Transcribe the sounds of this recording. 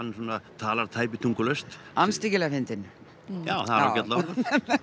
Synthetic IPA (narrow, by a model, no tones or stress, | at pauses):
anːsɔːnat̪ʰaːlaɾ̥t̪ʰaːjp̬ɪt̪ʰuŋkʏlœst̪anst̪icɪlɛɣafɪnt̪ɪn | ja̰ːwθaɾɾa̰cɛt̪lakɔn